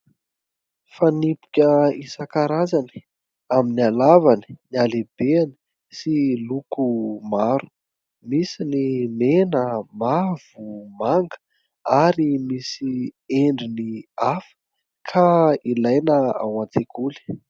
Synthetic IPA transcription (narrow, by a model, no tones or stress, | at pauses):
fanipi̥kʲəisakaɾazani̥ | aminialavani̥nialebeani̥ | silukumaɾu̥ | misinimenəmav̥umaŋɡə̥ | aɾimisieɳɖ͡ʐiniafə̥ | kʰailajnəa̰wãnt͡s̪ekuli̥